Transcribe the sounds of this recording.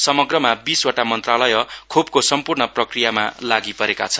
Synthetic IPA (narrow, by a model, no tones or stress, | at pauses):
sʌmʌɡrʌmabiswaʈamʌnt̪ralʌjʌkʰobkosʌmpurɳʌprʌkrijamalaɡipʌɾeka̰t͡sʰʌn